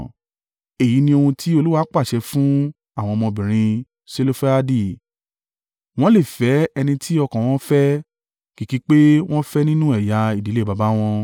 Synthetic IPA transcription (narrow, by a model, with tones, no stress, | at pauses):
e˨ji˨˦nĩ˧o˧hũ˧tʰi˦o˧lu˦wa˦k͡pa˦˨ʃɛ˧fũ˦ | a˦˨w̃ɔ̃˧ɔ˧mɔ̃˧bĩ˨ɾ̃ĩ˧ | se˦lo˦fɛ˦a˦di˦˨ | w̃ɔ̃˦le˦˨fɛ˨˦ɛ˧nĩ˧tʰi˦ɔ˧kã˨w̃ɔ̃˦fɛ˦ | ki˨˦ki˦k͡pe˦w̃ɔ̃˦fɛ˦nĩ˦nũ˦ɛ˦˨ja˨˧i˨di˨˦le˦˨ba˧ba˨˦w̃ɔ̃˧